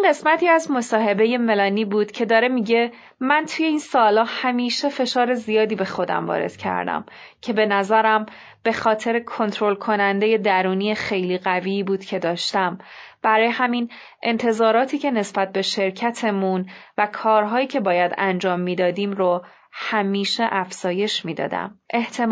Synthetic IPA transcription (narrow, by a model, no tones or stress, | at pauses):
inɢe̞smæt̪ʰiːæzmo̞sɒːɦe̞be̞je̞me̞lɒːniːbuːd̪̥cʰe̞d̪ɒːɾe̞miɟe̞ | mænt̪ʰuːje̞iːnsɒːlɒːhæmiːʃe̞fe̞ʃɒːɾe̞zijɒːd̪iːbe̞xo̞d̪æ̰mvɒ̰ːɾe̞̰d̪̥cʰæ̰ɾd̪æ̰m | cʰe̞be̞næzæɾæm | b̥e̞xɒːt̪ʰe̞ɾekʰo̞nt̪ʰɾo̞lkʰo̞nænd̪e̞je̞d̪æɾuːniːjexe̞jliːɣæviːbuːd̪̥cʰe̞d̪ɒːʃt̪æmb̥æɾɒːjehæmin | ʔe̞̰nt̪ʰe̞zɒːɾɒːt̪ʰiːcʰe̞ne̞sb̥æt̪̚ʰbe̞ʃe̞ɾcʰæt̪ʰe̞munvækʰɒːɾɦɒːjiːcʰe̞bɒːjæd̪ænd͡ʒɒːmːiːd̪ɒːd̪iːmɾo | hæmiːʃe̞ʔæfz̥ɒːje̞ʃmiːd̪ɒ̰ːd̪æ̰mʔe̞ht̪ʰem